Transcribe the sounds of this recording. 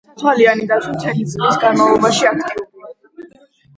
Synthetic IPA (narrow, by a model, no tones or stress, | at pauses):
t̪ʰwalianid̪at̪sʰwit̪ʰɛnit̪sʼlisɡanmavlˠɔbaʃiak̚ʰt̪ʼiuɾia